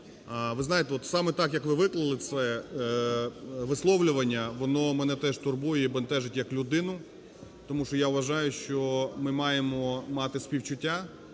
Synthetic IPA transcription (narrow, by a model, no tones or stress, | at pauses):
ʋɪznɑjet̪ɛɔt̪sɑmɛt̪ɑkjɐkʋɪʋɪklˠɐlˠɪt̪sɛ | ʋɪslˠɔʋlʲʊʋɐnʲːɐʋɔnɔmɛnɛt̪ɛʒt̪ʊrbujɛibɐnt̪ɛʒɪtʲjɐklʲʊd̪ɪnʊ | t̪ɔmuʃt͡ʃɔjaʊʋɐʒɑjʊʃt͡ʃɔmɪmɑjemɔmɑt̪ɪspʲiwt͡ʃʊtʲːa